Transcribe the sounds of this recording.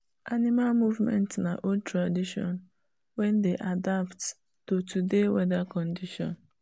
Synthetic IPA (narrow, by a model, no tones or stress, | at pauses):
animalmuvmɛ̰̃ntnaʔod̚tʰɹadiʃɔ̰̃n | wɛ̃ndeʔadapt | totudewɛdakɔ̃ndiʃɔ̰̃n